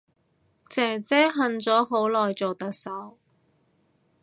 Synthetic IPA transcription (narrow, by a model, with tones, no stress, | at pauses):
t͡sɛː˨˩t͡sɛː˥ɦɐ˨nt͡sɔː˨˥ɦo˨˥wlɔː˨jt͡so˨wt̪ɐ˨k̚sɐ˨˥w